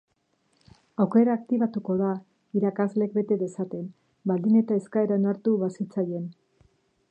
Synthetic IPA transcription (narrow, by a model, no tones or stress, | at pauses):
awke̞ɾaːkt̪iβat̪uko̞ða | iɾakazle̞k̚be̞t̪e̞ðe̞sat̪e̞n | bald̪ine̞t̪aeskaeɾaonaɾt̪uβasit͡saje̞n